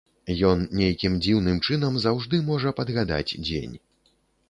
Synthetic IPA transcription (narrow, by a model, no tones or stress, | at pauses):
jɔnnʲejkʲimd͡zʲiwnɨmt͡ʂɨnɐmzawʐd̪ɨmɔʐɐpɐd̪ɣad̪a̰d͡zʲd͡zʲḛnʲ